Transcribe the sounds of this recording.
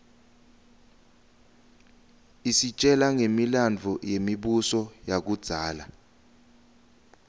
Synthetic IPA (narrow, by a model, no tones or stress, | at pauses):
isit͡ʃʼɛlaŋemiland͡vʱɔjemiɓusɔjak̬ud̥z̥ʱaːla